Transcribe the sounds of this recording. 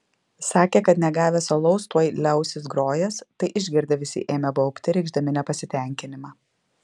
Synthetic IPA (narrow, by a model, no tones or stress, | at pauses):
sɑːkʲeːkɐt̪nʲɛɡɑːʋʲɛsɐlˠɐʊst̪uɔjlʲɛˑʊsʲɪsɡɾoːjɛst̪ɐɪʔɪʒʲɡʲɪɾʲd̪ʲɐʋʲɪsʲɪ̰ʔeːmʲɛbɐʊpʲt̪ʲɪɾʲɛɪɡʒd̪ɐmʲɪnʲɛpɐsʲɪt̪ʲɛˑŋʲkʲɪnʲɪmɑ